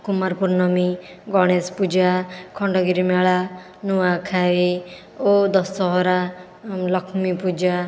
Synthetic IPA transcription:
kumaɾpuɾnɔmi | ɡɔɽ̃espud͡ʒakʰɔɳɖɔɡiɾimeɭa | nuakʰai | od̪ɔsːɔɦɔɾa | lʌkʰmipud͡ʒa

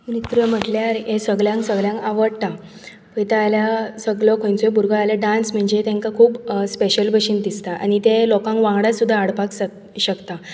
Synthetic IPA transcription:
unit̪ɾəm̤əʈljaɾesəɡljãŋksəɡljãŋkaʋəɽt̪a | pət̪aaljasəɡlɔkʰõjnt͡sɔebuɾɡʱəaljaɖansm̤əɳd͡ʑet̪ẽŋkakʰuːbspeɕəlbʱəɕind̪ist̪aʔa̰ñit̪ẽlɔkãŋkʋãŋɡɽasud̪ʱːaːɽpaks | ɕəkt̪a

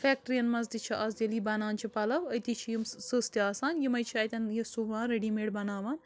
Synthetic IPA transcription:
fɛːk̚ʈɾijɐnmɐzd̪it͡ʃʰiʔɐzd̪ʲeliːbɐnaːnt͡ʃʰipɐlɐʋɐjt̪it͡ʃʰijimsɨst̪iaːsaːnjimɐjt͡ʃʰiɐːjt̪ʲɐnjɐsuʋãːnɾeɖiːmeːʈbɐnaːʋaːn

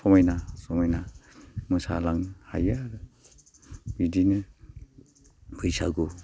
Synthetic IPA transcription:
sɔmajnasɔmɔjnamɯsa̰laŋha̰jaɾ | bidini | pʰɯjsa̰ɡu

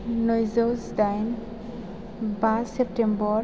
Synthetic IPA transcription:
nojzɔwzdajn | basɛp̚tembɔ

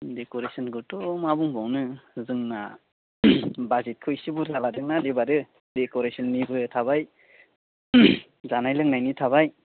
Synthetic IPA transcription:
dekɔɾesɔnɡɯtɔmabɯŋbɔwnɯzɯŋna̰ | bazet̚kʰɯjsɯbɯɾzaladɯŋnadebadɯ | dekɔɾesɔnmibɯtʰaβaj | zanajlɯŋnajnitʰaβaj

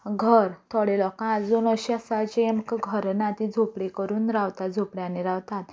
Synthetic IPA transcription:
ɡʱəɾt̪ʰɔɽelɔkãːd͡zunəɕasat͡ɕeemkəɡʱəɾnat̪id͡zʱopɽekəɾuːnɾawt̪at̪̚d͡zʱopɽjaneɾawt̪at̪

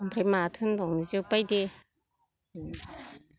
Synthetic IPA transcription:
ŋpʰɾematʰɯnbɔŋnizɯpajde

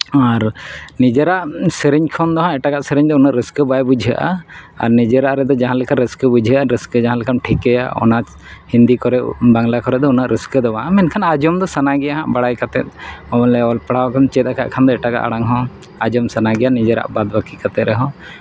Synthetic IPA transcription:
aɾnid͡ʒɛɾaʔsɛɾiɲkʰɔnd̪ɔɦɔ̃ɛʈaɡaʔsəɾɛɲd̪ɔunaʔɾəskəbajbud͡ʒʱəʔa̰ | a̰ɾnid͡ʒɛɾaʔɾɛd̪ɔd͡ʒaɦãlɛkʰanɾəskəbud͡ʒʱəʔaɾəskəd͡ʒaɦãlɛkʰanʈʰikɛja̰ɔ̰na | hind̪ikɔɾɛʔbaŋlakɔɾɛʔd̪ɔunaʔɾəskəd̪ɔwaamɛnkʰanad͡ʒɔmd̪ɔsanaɡɛjaɦãʔbaɽajkat̪ɛt̪̚ˀɔbɔllɛɔlpaɽawakant͡ʃɛt̪̚aka̰ʔkʰand̪ɔɛʈaɡa̰ʔaɽaŋɦɔ̃ | ad͡ʒɔmsanaɡɛjanid͡ʒɛɾa̰ʔbad̪bakikat̪ɛt̪ɾɛɦɔ̃

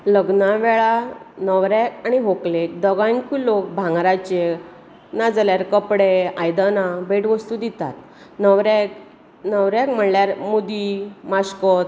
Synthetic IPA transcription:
ləɡnaʋɛɭanəʋɾɛkaɽ̃iɦoklek̚d̪əɡãŋkulok̚bʱãŋɡɾat͡ɕe | nad͡zaljaɾkəpɽeajd̪anabʱeʈʋəst̪ud̪it̪at̪̚ | nəʋɾɛk | nəʋɾakm̤əɳljaɾmud̪imaskɔt̪

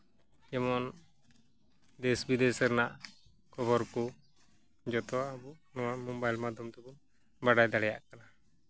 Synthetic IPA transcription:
ɛmɔn | d̪ɛsbid̪ɛsɛɾnaʔ | kɔbɔɾkɔ | d͡ʒɔt̪ɔwaʔabu | nɔwamɔmbajlmad̪ɔmt̪ɛbɔn | baɽajd̪aɽɛjaʔkana

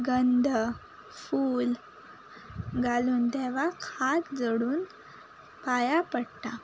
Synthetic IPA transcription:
ɡənd̪ʱ | fuːl | ɡʱaluːnt̪ɛʋ̤akʰat̪d͡zəɽuːn | pajapəɽʈ̪a

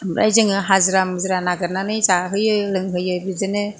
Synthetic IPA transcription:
mɾa̰jzɯŋɯɦazɯɾamɯzɾanaɡɯɾnanɯjzaɦɯjɯlɯŋɦɯjɯbizɯnɯ

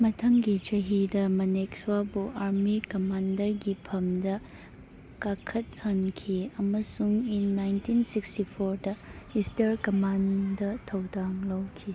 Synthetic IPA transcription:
mɐtʰɐmɡid͡ʒɐɦidɐmɐnek̚swabuʔaɾmikɐmandɐɾɡipʰɐmdɐ | kakʰɐt̚hɐnkʰiɐmɐsuŋinːajntinsikstipʰoɾdɐistɐɾkɐmandɐtʰɐwdaŋlɐwkʰi

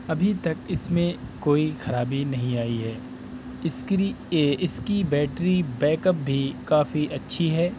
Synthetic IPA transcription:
ɐbʱit̪ɐkɪsmẽkoːixɐɾaːbinɐɦĩaːiɦɛː | ɪ | ɪskibɛːʈɾibɛːkəp̚bʱikaːfiʔɐtːʃʰiɦɛː

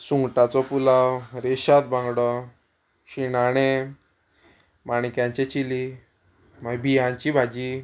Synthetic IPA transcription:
suŋɡʈat͡sɔpulawɾeɕat̪bãŋɡɽɔ | ɕinaɽ̃e | maɽ̃kjãɲt͡ɕet͡ɕili | mabijãɲt͡ɕibʱad͡ʑi

